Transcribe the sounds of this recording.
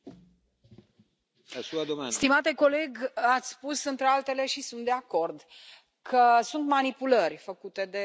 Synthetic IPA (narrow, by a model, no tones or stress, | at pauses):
suad̪omst̪imat̪e̞ko̞le̞ɡat̪sʲspusɨnt̪ɾealt̪e̞le̞ʃisunt̪d̪e̞ako̞rd̪ | kʰəsunt̪manipulərʲfəkut̪e̞d̪e̞